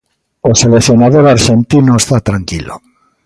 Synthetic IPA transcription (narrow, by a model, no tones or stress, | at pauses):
oselekθjonaðoɾaɾʃent̪inoest̪at̪ɾaŋkilo̰